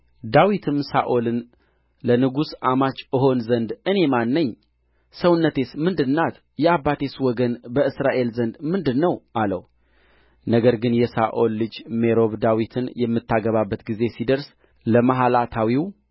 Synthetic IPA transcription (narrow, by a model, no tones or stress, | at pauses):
d̪awit̪ʰɨmsaʔolɨn | lənɨɡusʔamat͡ʃʼɨɦo̞nzənd̪ɨne̞manːəɲː | səwnːət̪ʰe̞smɨnd̪ɨnːat̪ | jɛabːat̪ʰe̞swɔɡənbəɨsɾaʔe̞lzənd̪mɨnd̪ɨnːəwʔalə̰w | nəɡəɾɡɨnjɛsaʔo̞lːɨd͡ʒme̞ɾo̞βd̪awit̪ʰɨnjɛmːɨt̪ːaɡəβabːət̪ɡize̞sid̪əɾs | ləmaɦalat̪ʰawiw